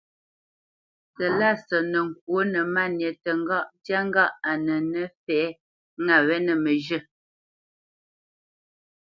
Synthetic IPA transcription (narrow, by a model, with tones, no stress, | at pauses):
tə˨la˦˨sɔ˨nə˨ŋ˨k̚wo˨˦nə˨ma˦˨njə˨tə˨ŋ˦ɡa˦ʔtja˦ŋ˦ɡa˦ʔa˨nə˨nə˦fɛː˨˦ | ŋa˨wɛ˦nə˨mə˨ʒə˦˨